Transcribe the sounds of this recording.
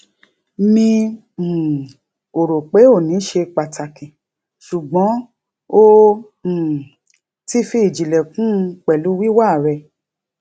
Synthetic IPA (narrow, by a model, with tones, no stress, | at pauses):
mĩ˧˨ | o˨ɾo˨k͡pe˨˦o˦˨nĩ˨˦ʃe˧k͡pa˨ta˨kĩ˨ | ʃu˨ɡ͡bɔ̃˨˦ | õ˦˨ | ti˦fi˧i˨d͡ʒi˨lɛ˨kũ˦˧k͡pɛ˨lu˨˦wi˦wa˦˨ɾɛ˧˨